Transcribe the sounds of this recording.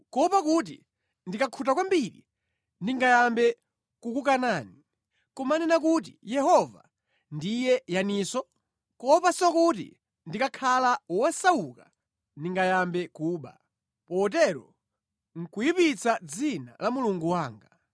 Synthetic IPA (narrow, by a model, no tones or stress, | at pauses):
kɔpakut̬ḭ | ndikakʰutakwambiɾḭ | ndiŋɡajambɛ | kukukanaːni | kɔmanɛnak̬ut̬ḭjɛɦɔva̰ | ndijɛjaniːsɔ | kɔpasɔkut̬ḭ | ndikakʰalawasawuka | ndiŋɡajambɛkuːɓa̰ | pɔt̬ɛɾɔ̰ | ŋ̩kujipit͡sad͡zina̰lamuluŋɡuwaːŋɡa